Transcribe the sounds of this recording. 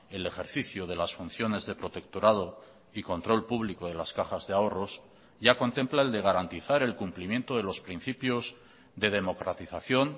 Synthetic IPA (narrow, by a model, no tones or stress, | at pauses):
e̞le̞xe̞ɾθiθjoðe̞lasfun̟θjo̞nezðe̞pɾo̞t̪e̞kt̪oɾað̞o̞ | iko̞nt̪ɾo̞lpuβlikoðe̞laskaxazðeao̞ro̞s | ɟ͡ʝako̞nt̪e̞mplae̞ld̪e̞ɣ̞aɾant̪iθaɾe̞lkumplimjẽ̞nt̪oðe̞lo̞spɾin̟θipjo̞z | d̪e̞ð̞e̞mo̞kɾat̪iθaθjo̞n